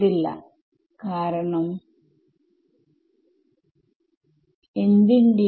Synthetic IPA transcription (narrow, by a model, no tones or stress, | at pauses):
ilːɐ̰ | kaːɾɐɳɐm | end̪iɳɖi